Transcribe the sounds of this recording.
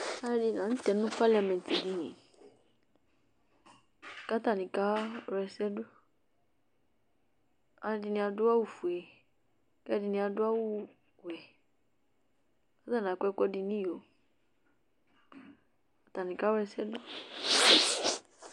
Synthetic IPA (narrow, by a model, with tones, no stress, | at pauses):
a˦di˧nã˨n̩˦t̪ɛ˨nũ˦pa˦la˨mɛ̃˨nti˨di˨nḭ̃˨ | ka˦t̪a˦˨nĩ˨ka˦ɾɛ˧sɛ˦du˦ | a˨di˨˧nĩ˧a˧dʊ˦a˦wu˨fu˨ɛ˨ | kɛ˦di˧nĩ˧a˨dʊ˦a˦wu˦ | wɛ˨ | ka˦t̪a˦˨n˨a˨kkɔ˦di˧nĩ˦jo˨ | a˨t̪a˨nĩ˨ka˦ɾɛ˧sɛ˦dʊ˦